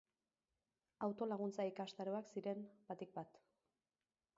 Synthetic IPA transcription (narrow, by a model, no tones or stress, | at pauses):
awt̪o̞laɣ̞unt͡saikast̪aɾoaksiɾe̞nbat̪ik̚bat̪